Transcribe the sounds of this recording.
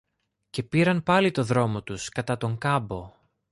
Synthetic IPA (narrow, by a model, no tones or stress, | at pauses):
ce̞piɾɐnpɐlit̪o̞ðɾo̞mo̞t̪uskɐt̪ɐt̪o̞ŋkɐbo̞